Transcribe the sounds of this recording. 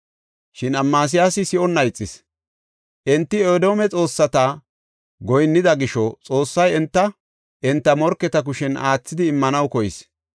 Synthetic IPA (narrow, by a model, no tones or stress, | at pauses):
ʃɪnɐmːaːs̬ɪjaːsɪsɪʔɔnːɐjt͡sʼːɪs | ʔɛnt̪ːɪoːd̪o̞ːmɛt͡sʼo̞ːsːɐt̪a | ɡɔjnːɪd̪ɐɡɪʃɔt͡sʼo̞ːsːɐjɛnt̪ːɐ | ʔɛnt̪ːɐmɔɾkːɛt̪ɐk̬ʊʃɛnaːt͡sːɪd̪ɪːmːɐnɐwkɔjɪs